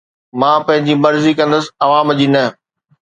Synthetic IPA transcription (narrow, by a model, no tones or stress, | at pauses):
mãːpɐ̃ɦɪ̃ɲd͡ʑimɐɾzikɐ̃nd̪əsɪ̆ɐʋãːmd͡ʑinɐ